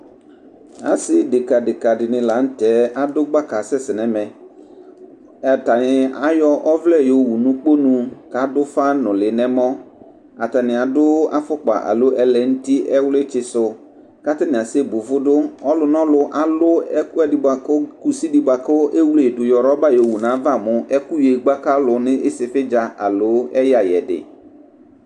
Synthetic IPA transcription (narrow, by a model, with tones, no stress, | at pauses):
a̰˨sɪ˦dɪ˨ka˨dɪ˨ka˨dɪ˨nɪ̃˨la˨˦n̩˦tɛ˨˦a˦dʊ˦ɡ͡ba˦ka˨sɛ˦sɪ˨nɛ˨mɛ˨ | ɛ˨ta˨nɪ˨a˦jɔ˦ʔɔ˦vlɛ˦˨jo˨wu˨nũ˦k͡po˦nũ˨ka˨dʊ˦fa˦nʊ̃˨lɪ˨nɛ˦mɔ˦ | a˨ta˨nɪ̃˨a˨dʊ˦a̰˦fʊ˦k͡pa̰˨ʔa̰˨lʊ˦ʔɛ˦lɛ˨n̩˦ti˦ʔɛ˦wʊ˦lɪ˦t͡ʃɪ˨sʊ˨ | ka˦tɪ˦nɪ̃˨a˨se˦bʊ˨vʊ˦dʊ˦ɔ˦lʊ˨nɔ̃˦lʊ˨ʔa˨lʊ˦ɛ˦ku˦ɛ˦dɪ˨ba˨kʊ˦ku˨si˦di˨ba˨kʊ˦ʔe˦wle˨dʊ˨jɔ˨ɾɔ˦ba˦jo˨wu˨nã˨˦va˦˨mʊ˦ʔɛ˦ku˦je˨ɡ͡ba˦ka˦lʊ˨nɪ̃˦ʔɪ˦sɪ˨fɪ˦d͡ʒa˨ʔa̰˨lʊ˨˦ɛ˦ja˨jɛ̰˨dɪ̰˨